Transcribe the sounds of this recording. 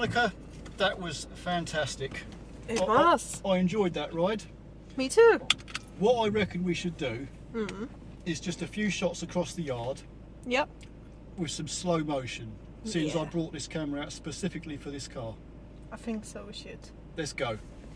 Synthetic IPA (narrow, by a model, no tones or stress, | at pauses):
mnɪkʰə | ðəʔwɒz̥fæ̃ntʰæstɪk | saɪɨ̃nd͡ʒɔɪd̪̚ðəʔɹaɪd̥ | mitʰʉː | wʌtaɪɹɛkə̃nwiʃədə | ɪzd͡ʒʌstəfjʉːʃɒtsəkʰɹ̥ɒsðəjɑːd̥ | jɛp̚ | wɪð̥sʌ̃msləʊməʊʃə̃n | sɪ̃nsaɪbɹɔˑʔðɪskʰæməɹəaʊtspəsɪfɪklifəðɪskʰɑː | aɪθɪ̃ŋksoʊʃɪd̥ | lɛtsɡ̥əʊ